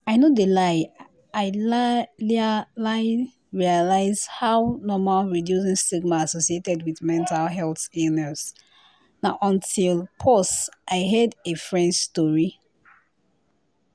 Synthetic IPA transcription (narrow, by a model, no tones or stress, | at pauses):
aɪnodəlaɪ | aɪlllaɪn | ɹialaɪzhawnɔmalɹidjusĩnstiɡmaːsosietɛdwiðmɛ̃ntalɦɛlθenɛs | naʊʔɔ̃ntʰilpʰɔstʔaɪɦɛdefɹɛ̃ndstɔɹi